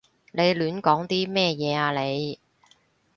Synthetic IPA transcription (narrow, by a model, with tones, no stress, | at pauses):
ne˨˧jlyː˨˥nkɔː˨˥ŋt̪iː˥mɛː˥˧jɛː˨˧aː˧le˨˧j